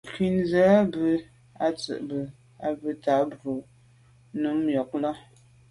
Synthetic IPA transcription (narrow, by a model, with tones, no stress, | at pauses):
kwi˨nzə˨˦bə˨ | a˨t͡sə̰˨ʔbə˨ | a˨bə˨ta˨˦bo˨ | nu˨˦mjɔ˨k̚lɔ˦